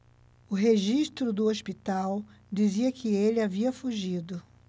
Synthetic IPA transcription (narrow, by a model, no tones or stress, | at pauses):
ʊɦeʒiʃt̪ɾʊd̪ʊospit̪aw | d͡ʒiziɐkʰɪelɪaviɐfuʒid̪ʊ